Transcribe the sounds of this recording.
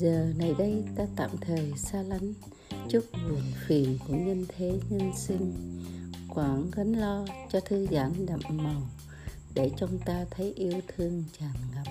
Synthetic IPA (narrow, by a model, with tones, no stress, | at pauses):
zəː˨˩na˨˩jɗə˧jt̪aː˧t̪a̰ː˧˨mt̪ʰəː˨˩jsaː˧la˨˦ŋ̟ | t͡ɕu˦˥k̚mu˨˩ənfi˨˩ənku˧˩əɲə˧nt̪ʰe˨˦ɲə˧nsï˧ŋ | kwaː˧˩ŋɣə˨˦nlɔ˧t͡ɕɔ˧t̪ʰɨ˧zaː˧˩nɗa̰˧˨mmə˨˩w | ɗe˧˩t͡ɕɔ˧wŋ͡mt̪aː˧t̪ʰə˨˦jʔi˧əwt̪ʰɨ˧əŋt͡ɕaː˨˩nɣa˦˥p̚